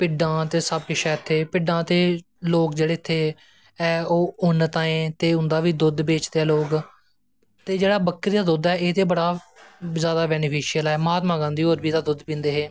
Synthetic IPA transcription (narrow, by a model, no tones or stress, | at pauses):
pɪɖãːt̪eːsəbkeʃɛːt̪ʰːeːpɪɖãːt̪eː | loːkd͡ʒeːɽeːɪt̪ʰːeː | ɛːoːʊnət̪ãːẽːt̪eːʊ̃nd̪aːʋiːd̪ʊd̪beːt͡ʃd̪eːɛːloːɡ | t̪eːd͡ʒeːɽaːbəkːɾiːd̪aːd̪ʊd̪ɛːeːt̪eːbəɽaːzjaːd̪aːbɛːnɪpʰiːʃijəlɛːməɦaːt̪mãːɡãːnd̪iːoːɾbiːd̪aːd̪ʊd̪pĩːnd̪eːɦɛː